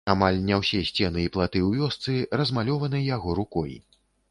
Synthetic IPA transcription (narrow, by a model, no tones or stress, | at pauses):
amalʲnʲawsʲɛsʲt͡sʲɛnɨiplˠat̪ɨwvʲɔst̪sɨrɐzmalʲɔvɐnɨjaɣɔɾukɔj